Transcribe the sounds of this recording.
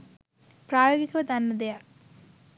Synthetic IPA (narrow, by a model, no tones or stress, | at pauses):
praːjoːɡikʲːuʋɐt̪ɐnːɐd̪eja